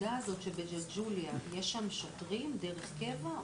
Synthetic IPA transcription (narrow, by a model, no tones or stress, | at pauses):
aːzo̞t̪ʃebed͡ʒeld͡ʒuliajeʃamʃotʁimd̪eʁeχke̞va